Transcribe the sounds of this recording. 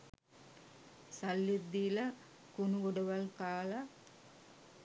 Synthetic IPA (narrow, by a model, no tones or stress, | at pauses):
salːid̪iːlə | kunuɡoɖəʋalkaːla